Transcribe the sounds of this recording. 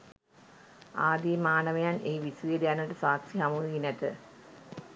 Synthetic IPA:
aːd̪imaːnɐʋejanʔeːʋisujed̪ejanʈəsaːksiɦamuinæt̪ə

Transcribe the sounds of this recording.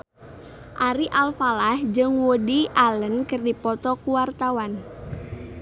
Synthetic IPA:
ʔaɾiʔalfalahd͡ʒɨŋwodiʔalənkɨrdipɔt̪ɔkuwart̪awan

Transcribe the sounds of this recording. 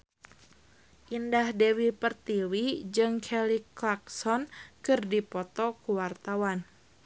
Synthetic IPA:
ʔindahdɛwipərt̪iwid͡ʒɨŋkʰɛliklaksɔnkɨrdipɔt̪ɔkuwart̪awan

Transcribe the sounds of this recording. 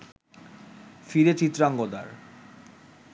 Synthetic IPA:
fiɾet͡ɕit̪ːɾaŋɡod̪a̰ɾ

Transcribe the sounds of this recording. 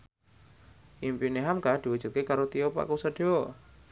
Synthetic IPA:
ʔimpineɦamkahd̪̥iwudʒ̥ṳt̪̚kekaɾot̪iopa̰kusəɖ̥eo

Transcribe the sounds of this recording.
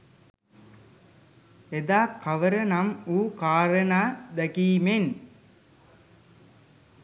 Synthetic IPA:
ed̪aːkaʋəɾənamuːkaːɾənaːd̪ækiːmen

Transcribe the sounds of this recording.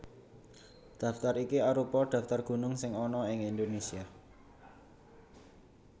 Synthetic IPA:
d̪̥ä̤ft̪arikiaɾupɔd̥ä̤ft̪arɡ̥ṳnʊŋsɪŋɔnɔɪŋind̪onesia

